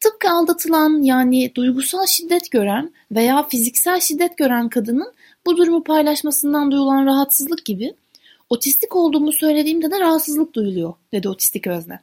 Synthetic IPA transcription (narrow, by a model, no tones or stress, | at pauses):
t̪ʰɯp̚kɯalˠd̪at̪ʰɯlˠanjaːnɪd̪ujɡusalˠʃid̪ːɛt̪ɟ̥ø̞ɾæn | ve̞jaːfizicsælʲʃid̪ːɛt̪ɟø̞ɾænkʰad̪ɯnɯn | bud̪uɾumupʰajlˠaʃmasɯnd̪and̪ujulˠanɾaɦat̪sɯzlˠɯk̚ɟibɪ | o̞t̪ʰist̪ʰico̞lˠd̪uːmusø̞jlʲe̞d̪iːmd̪ɛd̪ɛɾaɦat̪sɯzlˠɯk̚d̪ujulˠujod̪̥e̞d̪io̞t̪ʰi̥st̪ʰicøznɛ